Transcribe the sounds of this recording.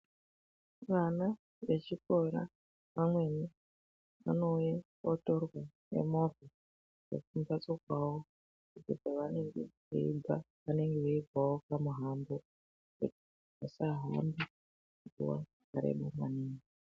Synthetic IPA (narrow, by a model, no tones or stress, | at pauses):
ʋana | ʋet͡ʃikoɾa̰ | ʋamwe̞ni | ʋa̰noja | otorwa | nḛmovi | ʐḛkumbat͡sokwawo | ukutaʋaneŋɡḛʋḛḭba | ʋane̞ŋɡeʋeibʱawokamuɦambo | kṵti̥ | asaɦa̰mbi | kutḭwa̰ | kaɾḛɓomwa̰niːŋi